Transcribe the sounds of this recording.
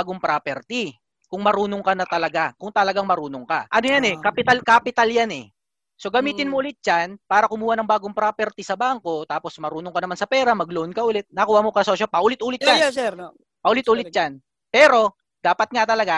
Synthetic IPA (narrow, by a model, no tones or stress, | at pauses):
aɡoŋpɾapɛɾt̪i | kʊŋmɐɾuːnoŋkɐnɐt̪ɐlɐɡakʊŋt̪ɐlɐɡaŋmɐɾuːnoŋkaʔɐnojanɛkapɪt̪alkaːpɪt̪aljanɛ | so̞ɡɐmiːt̪ɪnmoʔʊlɪt̪̚d͡ʒanpaːɾɐkʊmuːhanɐŋbaːɡoŋpɾaːpɛɾt̪isɐbaːŋko̞t̪aːpo̞smɐɾuːnoŋkɐnɐmansɐpɛːɾɐmɐɡloʔonkɐʔʊlɛt̪̚nɐkuːhɐmokɐsoʃopɐʔʊlɪt̪ʔuːlɪt̪̚d͡ʒansɛ | pɐʔʊlɪt̪ʔuːlɪd͡ʒan | pɛːɾo̞ | d̪̥aːpɐt̪̚ŋat̪ɐlɐɡa